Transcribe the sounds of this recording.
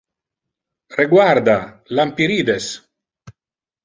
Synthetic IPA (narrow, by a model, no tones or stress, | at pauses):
reɡwaɾd̪a | lampiɾiːd̪es